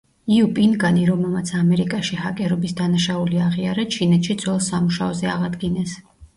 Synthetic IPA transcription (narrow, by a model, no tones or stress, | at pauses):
iupʼinɡaniɾɔmɛlˠmat̪sʰamɛɾikʼaʃihakʼɛɾɔbisd̪anaʃauliaʁiaɾat͡ʃʰinɛt̪ʃid̪zwɛlˠsamuʃaɔzɛaʁad̪ɡinɛs